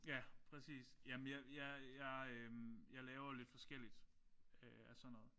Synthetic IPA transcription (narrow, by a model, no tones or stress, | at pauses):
jæpʰʁɛsḭːsjæmənjɑjɑjɑɪømjɑ̈ɪlɛːʊɐle̝d̥fɒ̽sɡ̥el̰id̥ | øæsɒ̽nːɔ̽ːð̩ˠ